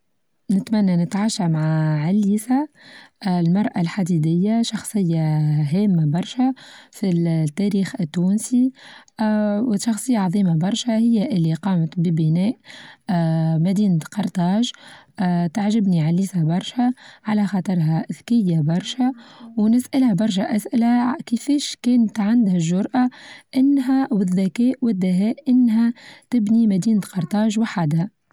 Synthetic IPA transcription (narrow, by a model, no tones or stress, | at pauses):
nɪt̪mænːanɪt̪ʕaːʃamaʕaʕalːiːsaʔlmɑɾˤʔalħad̪id̪ɪjːaʃɑxsˤɨjːaɦɛːmːabɑɾˤʃafit̪ːæɾiːxɪt̪ːuːnsi | wʃɑxsˤɨjːaʕɑðˤiːmabɑɾˤʃahɪjːaʔɪlːiqɑːmt̪bibɪnɛːʔ | mæd̪iːnt̪qɑɾˤt̪ˤɑːʒ | t̪aʕʒɪbniʕaliːsæbɑɾˤʃaʕalæxɑt̪ˤɨɾˤɦæʔɪðkɪjːabɑɾˤʃawnɪsʔalhæbɑɾˤʃ̬aʔæsʔɪlækɪfɛːʃkɛːnət̪ʕand̪hæʒːʊɾˤʔaʔɪnːɦæwɪðːækɛːʔwɪd̪ːɪɦɛːʔʔɪnːɦæt̪ɪbnimæd̪iːnt̪qɑɾˤt̪ˤɑːʒwaħad̪hæ